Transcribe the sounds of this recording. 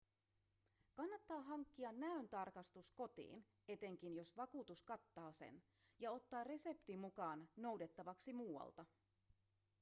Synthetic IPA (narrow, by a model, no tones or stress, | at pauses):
kɑnːɑt̪ːɑːɦɑŋkːiɑnːæynt̪ɑrkɑst̪usko̞t̪ḭːn | e̞t̪e̞ŋk̟injo̞sʋɑkuːt̪uskɑt̪ːɑːsḛn | jɑo̞t̪ːɑːrre̞se̞pt̪imukɑːnːo̞wde̞t̪ːɑʋɑksimuːwɑ̰lt̪ɑ